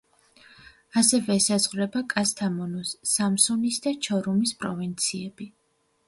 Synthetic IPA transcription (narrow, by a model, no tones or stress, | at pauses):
asɛvɛːsazʁɾɛbakʼast̪ʰamɔnɔsːamsunisd̪at͡ʃʰɔɾumispʼɾɔvint̪sʰiɛb̥i